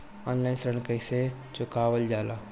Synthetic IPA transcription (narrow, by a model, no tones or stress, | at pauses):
ɔːnlaɪnsɾəɳ̃kəjse | t͡ʃʊkaːwəld͡ʒaːlaː